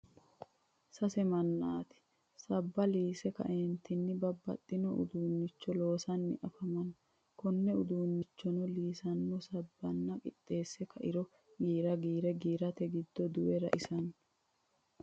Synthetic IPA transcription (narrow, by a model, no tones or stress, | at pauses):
sɐsɛmɐnːaːt̪ɪ̥ | sɐbːɐliːsɛkɐ̰ʔeːnt̪ʰɪnːɪbɐbːɐ̰t̪ʼːɪnɔʔʊ̰d̪uːnːɪt͡ʃːɔlo̞ːsɐnːɪ̰ʔɐfɐmɐn | kɔnːɛʊd̪uːnːɪt͡ʃːɔnɔliːsɐnːɔsɐbːɐnːɐkʼɪ̰t̪ʼːe̞ːsːɛkʰɐʔɪɾɔ | ɡiːɾɐɡiːɾɛɡiːɾɐt̪ɛɡɪd̪ːɔd̪ʊwɛɾɐ̰ʔɪsɐn